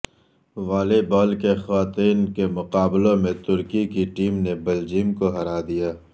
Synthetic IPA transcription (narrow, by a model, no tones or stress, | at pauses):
ʋaːlebɔːlkexwaːt̪iːnkemʊqaːblõmẽt̪ʊɾkikiʈiːmnebɐld͡ʒiːmkoɦɐɾaːd̪ijaː